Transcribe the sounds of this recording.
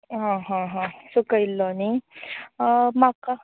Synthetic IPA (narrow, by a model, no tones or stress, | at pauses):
ɦãɦãɦãsukəjlːɔni | maka